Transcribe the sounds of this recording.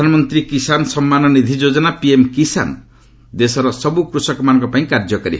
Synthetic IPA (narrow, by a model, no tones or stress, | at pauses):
anɔmɔnt̪ɾikisanɔsɔmːanɔnid̪ʱid͡ʒod͡ʒɔnapiemkisa̰nɔ | d̪esɔɾɔsɔbukɾusɔkɔmanɔ̃ŋkɔpãĩkaɾd͡ʒɔkɔɾḭ